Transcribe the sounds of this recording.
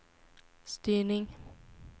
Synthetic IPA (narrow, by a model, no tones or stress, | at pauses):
st̪yːnɪŋ